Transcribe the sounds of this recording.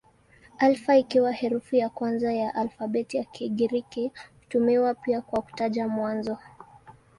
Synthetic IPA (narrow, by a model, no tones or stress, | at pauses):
alfaikiwahɛɾufujakwanzajaʔalfaɓɛtiakiɠiɾikihutumiwapiakwaku̥taʄamwanzɔ